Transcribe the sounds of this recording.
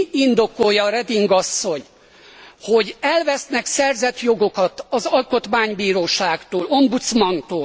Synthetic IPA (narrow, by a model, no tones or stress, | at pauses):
ind̪o̞ko̞jɒɾɛd̪iŋɡɒsːo̞ɲ | ho̞ɟɛlvɛsnɛksɛrzɛt̪jo̞ɡo̞kɒt̪ɒzɒlko̞t̪maːɲbiːɾoːʃaːɡt̪oːlo̞mbut̪smɒnt̪oː